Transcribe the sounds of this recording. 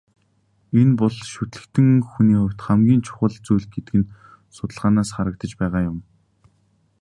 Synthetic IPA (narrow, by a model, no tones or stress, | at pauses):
enpʊɮʃut̪ɮɘ̆kt̪ɘ̆ŋxuniːχʊwʲt̪χæmɡʲiːnt͡ɕʰʊ̥χə̆ɮt͡sujɮɡet̪ɘɡɘ̆n | sʊt̪ə̆ɮʁaːnaːsχaɾə̆k̚t̪ə̆t͡ɕpæːʁaːjʊm